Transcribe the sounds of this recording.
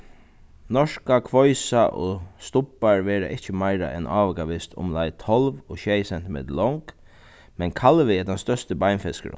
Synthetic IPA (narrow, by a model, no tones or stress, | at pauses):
nɔʂkakʰʋɔjsaʔɔst̪ʊpːaɹʋɛːɾa̰ʔɪht͡ʃəmajɾa̰ʔɛnʔaːʋəkaʋɪst̪ʰʊ̰mlajt̪ʰɔlʋɔɕejsɛn̥t̪mɛ̰ːd̪lɔŋk | mɛnkʰalʋɪɛt̪anst̪œst̪əbajnfɛskə̰ɾ̰